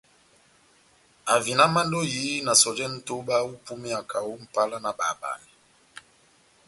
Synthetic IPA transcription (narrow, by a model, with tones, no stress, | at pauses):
a˨vi˨na˦ma˦n˦do˦jiː˨˦na˨sɔ˨d͡ʒɛ˦n̩˦to˦ɓa˦u˦pu˦mi˦a˨kʰa˨wo˦m̩˨pa˦la˦na˨ɓa̰˨ɓa̰˨i˨